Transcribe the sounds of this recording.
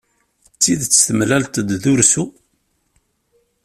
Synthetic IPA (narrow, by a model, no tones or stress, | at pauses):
t͡sːiðt͡sːθəmlælt̪d̪ðʊɾsu